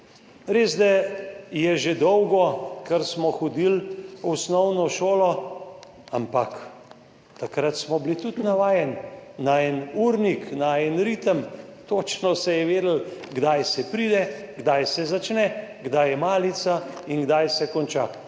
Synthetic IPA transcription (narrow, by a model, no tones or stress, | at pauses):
ɾeːzd̪ajɛʒed̪ɔwɡɔkəɾsmɔxɔd̪ilusnɔwnɔʃoːlɔ | ampak | t̪akɾat̪smɔblit̪ut̪naʋaːjɛnnaɛnuɾniknaɛnɾiːt̪əmt̪oːt͡ʃnɔsɛjɛʋeːd̪əl̩ | ɡd̪ajsɛpɾiːd̪ɛɡd̪ajsɛzat͡ʃnɛɡd̪ajɛmaːlit̪sainɡd̪ajsɛkɔnt͡ʃa